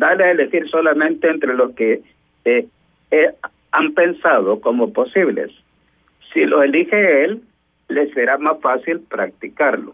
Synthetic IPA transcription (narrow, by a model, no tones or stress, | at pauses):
d̪aleaelexiɾso̞lamẽ̞nt̪eːnt̪ɾelo̞ske | ampe̞nsaðoko̞mopo̞siβlḛsː | ilo̞elixeelː | eseɾamasfasilpɾak̚t̪ikaɾlo